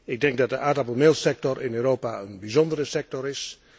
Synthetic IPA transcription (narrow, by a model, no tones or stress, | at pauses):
ɪɡ̚dɛŋɡ̚dɑt̚dəʔaːdɑplˠmɪlˠsɛk̚tɔɹʔɪnøːrowpaənbizɔndərəsɛk̚tɔɹɪs